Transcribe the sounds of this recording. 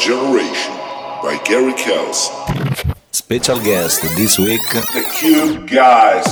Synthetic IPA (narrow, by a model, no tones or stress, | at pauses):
d͡ʒɛnə˞eɪʃə̃nbaɪɡɛɹikʰɛlˠsn | spɛʃalˠɡɛstd̪iswikɨkʰjubɡaɪz